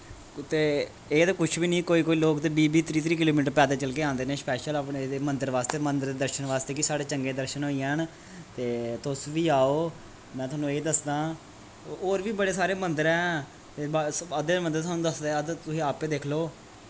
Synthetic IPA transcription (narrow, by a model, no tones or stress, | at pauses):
t̪eː | eːt̪eːkʊt͡ʃʰbiːnĩːkoːiːkoːiːloːkt̪eːbiːbiːt̪ɾiːt̪ʰɾiːkɪloːmiːʈəɾpɛːd̪eːt͡ʃəlkeːãːnd̪eːnẽːspɛːʃələpneːd̪eːmənd̪əɾʋaːst̪eːmənd̪əɾd̪eːd̪əɾʃənʋaːst̪eːkisaːɽeːt͡ʃəŋɡeːd̪əɾʃənɦoːiːɦən | t̪eːt̪ʊsʋiːaːoː | mɛ̃ːt̪ʰʊɦaːnũːeːd̪əsd̪ãː | oːɾʋiːbəɽeːsaːɾeːmənd̪əɾɛ̃ː | t̪eːbəd̪eːmənd̪əɾt̪ʰaːnũːd̪əsd̪eːəd̪t̪ʊsĩːaːpːeːd̪eːkʰloː